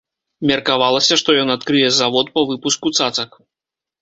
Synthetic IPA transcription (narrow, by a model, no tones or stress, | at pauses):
mʲɐrkavalˠɐsʲɐʂt̪ɔjɔnat̪kɾɨjɛzavɔt̪̚pɐvɨpuskut̪sat̪sɐk